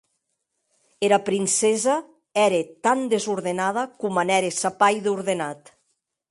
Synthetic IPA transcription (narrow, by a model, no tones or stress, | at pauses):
eɾapɾinseza | ɛɾet̪and̪ezuɾðenað̞akumanɛɾesapajðuɾðenat̪